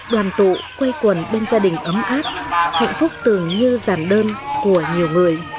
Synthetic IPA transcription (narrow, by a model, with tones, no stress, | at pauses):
ɗwaː˨˩nt̪ṵ˧˨kwe˧jkwə˨˩nɓe˧nzaː˧ɗï˨˩ŋ̟ʔə˨˦mʔaː˦˥t̚ha̰˧˨jŋ̟fʊ˦˥k͡p̚t̪ɨ˨˩əŋɲɨ˧zaː˧˩nɗəː˧nku˧˩əɲi˨˩əwŋɨ˨˩əj